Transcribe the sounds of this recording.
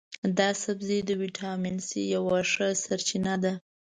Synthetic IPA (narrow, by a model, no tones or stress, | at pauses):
d̪ɑsabzed̪əwiʈʰɑminsijawaʂəsaɾt͡ʃinad̪a